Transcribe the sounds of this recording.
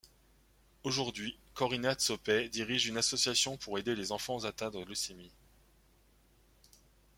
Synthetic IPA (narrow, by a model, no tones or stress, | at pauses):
oʒuʁd̪ɥikɔʁinat̪sɔpɛd̪iʁiʒynasɔsjasjɔ̃pʰuʁed̪elezɑ̃fɑ̃zat̪ãd̪ʁələsemi